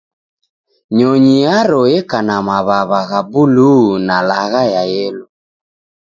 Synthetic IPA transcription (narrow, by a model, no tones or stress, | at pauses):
ɲɔɲiaɾɔɛkanamaβaβaɣabulunalaɣajajɛlɔ